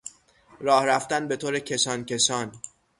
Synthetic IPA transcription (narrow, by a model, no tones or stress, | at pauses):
ɾɒːhɾæft̪ænbe̞t̪ʰoːɾecʰe̞sɒːncʰe̞sɒːn